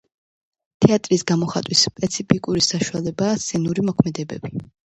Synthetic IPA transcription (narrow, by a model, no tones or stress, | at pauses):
t̪ʰɛat̪ʼɾisɡamɔχa̰t̪ʼwispʼɛt̪sʰipʰikʼuɾisaʃualɛbaːsɛnuɾimɔkʰmɛd̪ɛbɛbi